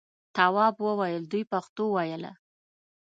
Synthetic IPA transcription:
t̪awɑbwəwajəld̪ujpaxt̪owajəla̰

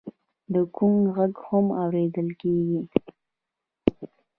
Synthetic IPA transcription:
d̪əkuŋɣaɡhamawɾed̪əlkeɡi

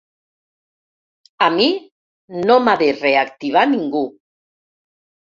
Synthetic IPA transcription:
ami | nomaðereakt̪iβ̞aniŋɡu

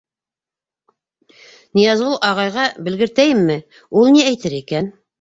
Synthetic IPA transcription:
nijɑzulˠʔɑʁɑjʁɑbɘ̆lɡɘ̆ɾt̪æjɘmːɘ | ulˠniæjt̪ɘɾikæn

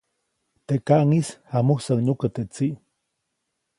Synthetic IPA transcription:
t̪eʔkaʔŋishamuhsaŋɲukat̪eʔt͡siʔ

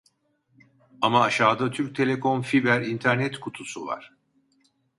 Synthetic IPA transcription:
amaːʃaːd̪at̪ʰyɾc̚t̪ʰe̞lʲe̞kʰo̞nfibæɾint̪ʰæɾnɛt̪kʰut̪ʰusuva̰ɾ̥

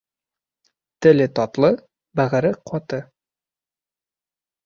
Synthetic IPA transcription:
t̪ɘ̆lɘt̪ɒt̪lˠɤ | bæʁɘ̆ɾɘqʰɒt̪ɤ

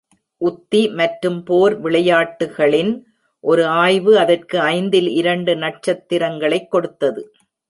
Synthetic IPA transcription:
ʔʊt̪ːimɐʈɾɯmpoːɾʋɪɭɐjaːʈːɯɣɐɭɪn | ʔɔɾɯaːjʋɯɐðɐrkɯɐɪnd̪ɪlɪɾɐɳɖɯnɐʈ̚t͡ʃɐt̪ːɪɾɐŋɡɐɭɐɪkːɔɽɯt̪ːɐðɯ

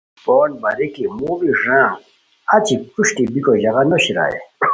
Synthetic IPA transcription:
poːnbɐɾikimubiʐãː | ɐt͡ɕikuɕʈibikoʑaɣanoɕiɾa̰ḛ

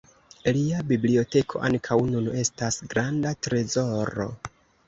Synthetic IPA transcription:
liabiblio̞te̞kʰo̞̰ʔaŋkʰawnune̞stasɡɾandatɾe̞zo̞ɾo̞̰

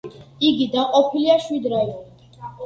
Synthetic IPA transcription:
iɡid̪aqʼɔpʰiliaʃwid̪ɾɛvɔl

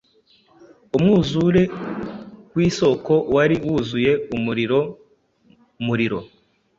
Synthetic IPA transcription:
umŋuːzuɾe̞ | wiːso̞ko̞waɾiwuzuje̞umuɾiɾo | muɾiɾo̞̰

